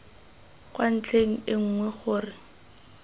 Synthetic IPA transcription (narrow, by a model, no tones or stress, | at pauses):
kʼwan̩t͡ɬʰʼeŋ̩ɪŋ̩ːŋwɛχʊːrɪ